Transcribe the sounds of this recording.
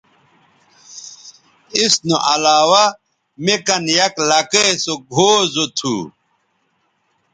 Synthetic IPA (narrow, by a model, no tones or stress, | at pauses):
isnuʔɐlaːwa | mekɐnjɐklɐkesoɡʱoːzot̪ʰṵː